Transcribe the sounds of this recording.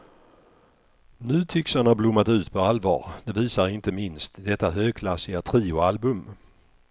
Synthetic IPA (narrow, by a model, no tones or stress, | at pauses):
nʉ̟ːt̪ʰʏksanablʊmːat̪ʉ̟ːt̪pʰɔalvɑ̰ːɾd̪̥ɛviːsaɾɪnt̪əmɪnst̪d̪ɛt̪ːaɦøːɡ̚kʰlasɪɡat̪ʰɾiːʊalbɵm